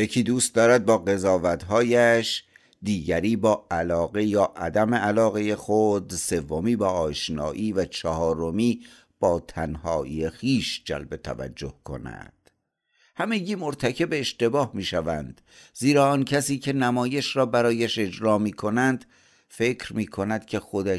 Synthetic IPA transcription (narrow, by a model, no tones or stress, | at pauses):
jecʰiːd̪uːst̪̚d̪ɒːɾæd̪̚bɒːɣe̞zɒːvæt̪ɦɒːjæʃ | d̪iːɟæɾiːbɒːælɒːɣe̞jɒːʔæd̪æmeʔælɒːɣejexod̪se̞vːo̞miːbɒːɒːʃnɒ̰ːʔiːvæt͡ʃʰɒhɒːɾo̞miː | b̥ɒːt̪ʰænhɒːʔiːexiːʃd͡ʒæ̰lbe̞t̪ʰæ̰væ̰d͡ʒːo̞hkʰo̞̰næ̰d̪̥ | hæme̞ɟiːmoɾt̪ʰæcʰe̞beːʃt̪e̞bɒːhmiːʃævænd̪̥ | ziːɾɒːɒncʰæsiːcʰe̞næmɒːje̞ʃɾɒːbæɾɒːjæʃe̞d͡ʒɾɒːmiːkʰo̞nænd̪ | fe̞kʰɾmiːkʰo̞næd̪̥cʲʰe̞xo̞d̪æ